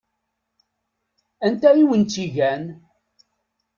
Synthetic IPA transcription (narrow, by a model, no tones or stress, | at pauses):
ænt̪æjiwənt̪iʝæn